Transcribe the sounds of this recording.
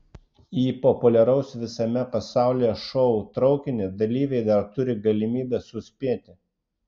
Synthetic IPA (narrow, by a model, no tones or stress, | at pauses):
iːpɔpʊlʲɛɾɐʊsʋʲɪsɐmʲɛpɐsɑˑʊlʲɪjɛʃɔʊt̪ɾɒʊkʲɪnʲɪd̪ɐlʲiːʋʲɛɪd̪ɐɾt̪ʊɾʲɪɡɐlʲɪmʲiːbʲɛsʊsʲpʲiɛt̪ʲɪ